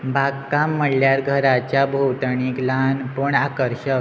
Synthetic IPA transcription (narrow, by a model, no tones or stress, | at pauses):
bʱakamːəɽljaɾɡʱəɾat͡ɕjabʱowt̪əɳ̃iklanpəɳakəɾɕə